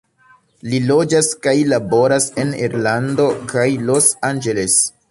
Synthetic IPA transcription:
lilo̞d͡ʒaskajlabo̞ɾase̞niɾlando̞kʰajlo̞sand͡ʒeles

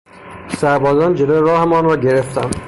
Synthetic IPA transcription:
sæɾbɒːzɒːnd͡ʒeloːeɾɒːhemɒːnɾɒːɟe̞ɾe̞ft̪ʰænd̪̥

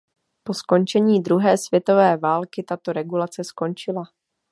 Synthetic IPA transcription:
po̞sko̞nt͡ʃɛɲiːd̪ɾuɦɛːsvjɛt̪o̞vɛːvaːlkɪt̪at̪o̞ɾɛɡulat͡sɛsko̞nt͡ʃɪla

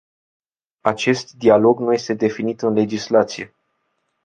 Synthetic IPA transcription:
at͡ʃe̞st̪d̪ialo̞ɡnuje̞st̪e̞d̪e̞finit̪ɨnle̞d͡ʒislat̪sije̞

